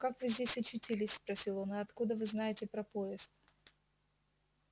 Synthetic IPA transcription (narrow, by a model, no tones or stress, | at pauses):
kakvɨzʲdʲesʲɐt͡ɕːʊtʲilʲɪsʲspɾɐsʲilˠonɨɐt̪kud̪əvɨznajɪtʲɪpɾɐpoɪst̪̚